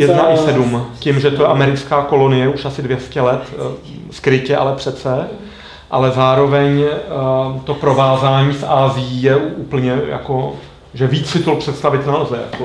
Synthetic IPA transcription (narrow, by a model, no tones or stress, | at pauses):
jɛdnaʔɪsɛdumcɪmʒɛt̪ojɛʔamɛɾɪt͡skaːko̞lo̞nɪjɛuʃasɪdvjɛscɛlɛt̪skɾɪcɛʔa̰lɛpr̥ɛt̪t͡sɛ | ʔa̰lɛzaːɾo̞vɛɲ | t̪o̞pɾo̞vaːzaːɲiːfʔaːzɪjijɛuːpl̩ɲɛja̰ko̞ | ʒɛviːt͡ssɪt̪olpr̥ɛt̪st̪avɪt̪nalzɛja̰ko